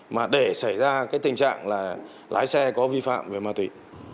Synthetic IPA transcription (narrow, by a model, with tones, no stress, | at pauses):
maː˨˩ɗe˧˩sa˧˩jzaː˧kaː˨˦jt̪ï˨˩ŋt͡ɕa̰ː˧˨ŋlaː˨˩ | lʔa̰ː˨˦jsɛ˧kɔ˨˦vi˧fa̰ː˧˨mve˨˩maː˧t̪wi˧˩˨